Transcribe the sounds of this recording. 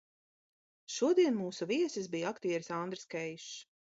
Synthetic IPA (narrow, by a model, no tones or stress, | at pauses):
ʃuɔd̪iɛnmuːsuviɛsisbijakt̪iːɛɾsand̪ɾskɛjʃ